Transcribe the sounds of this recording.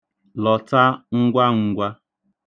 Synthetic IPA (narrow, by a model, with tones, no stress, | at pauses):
lɔ˨ta˦ŋ̩˦ɡʷa˦ŋ̩˨ɡʷa˦